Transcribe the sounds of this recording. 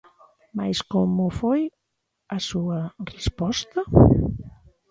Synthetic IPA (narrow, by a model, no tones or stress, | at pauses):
majskomufoj | asuərespɔst̪ə